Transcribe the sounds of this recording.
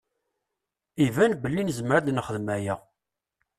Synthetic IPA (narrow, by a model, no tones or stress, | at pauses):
ivænbəlːinzmɾæd̪nχəðmæjæ